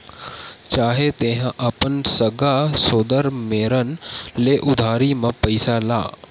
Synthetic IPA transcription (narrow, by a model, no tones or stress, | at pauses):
t͡ʃaːɦet̪eːɦãʔɐpənsɐɡasoːd̪əɾmeːɾənleːʔʊd̪ʱaːɾimɐ̃pɐɪsala̰ː